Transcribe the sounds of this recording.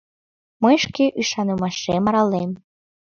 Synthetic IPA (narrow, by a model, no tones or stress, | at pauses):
mɤjʃkeʔyʃɑnumɑʃemɑɾɑlem